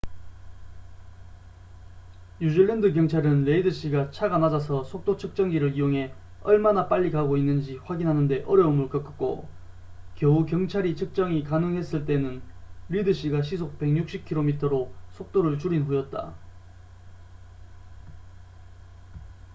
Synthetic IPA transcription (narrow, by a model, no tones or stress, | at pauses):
ɲud͡ʑiɭːendɯk̬jʌŋt͡ɕʰaɾɯnɾe̞idɯɕ͈iɡat͡ɕʰaɡanad͡ʑasʰʌsʰok̚t͈ot͡ɕʰɯk̚t͡ɕ͈ʌŋɡiɾɯɭijoŋɦe̞ | ʌɭmanap͈aʎːikaɡoinːɯnd͡ʑiɸwaɡinɦanɯnde̞ʔʌɾjʌumɯɭkʌk͈ɯk̚k͈o̰ | kjʌukjʌŋt͡ɕʰaɾit͡ɕʰɯk̚t͡ɕ͈ʌŋikanɯŋɦe̞s͈ɯɭt͈e̞nɯnɾidɯɕ͈iɡaɕ̬ʰisʰok̚p͈e̞ŋɲuk̚ɕ͈ip̚kʰiɾomitʰʌɾosʰok̚t͈oɾɯɭt͡ɕuɾinɦujʌt̚t͈a̰